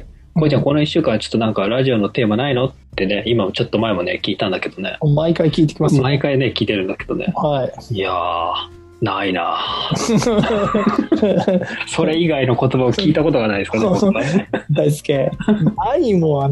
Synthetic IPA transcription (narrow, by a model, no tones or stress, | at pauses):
kkoiiako̞noiɕːɨːkãat͡ɕo̥t̪ːo̞nãŋkaɾaʑio̞no̞t̪e̞ːmanaino̞t̪ːe̞ne̞imamot͡ɕo̞t̪ːo̞mae̞mo̞ne̞̰kʲiːt̪ãnd̪aked̪o̞ne̞̰maikaikʲiːt̪e̞kʲimasmaikaine̞kʲiːt̪e̞ɾɯ̟̃nd̪ake̞d̪̥o̞̰nḛhaija | naina̰ | so̞ɾe̞iɡaino̞ko̞t̪o̞baokʲiːt̪ako̞t̪o̞ɡanaid̪sɨkaneoaed̪aiskeaimoa